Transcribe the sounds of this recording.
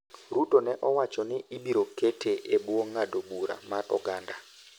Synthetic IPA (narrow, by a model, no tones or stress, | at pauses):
ɾutonɛʔɔwat͡ʃɔnɪibiɾoketʰeʔebwoŋːadobuɾa̰marɔ̰ɡanda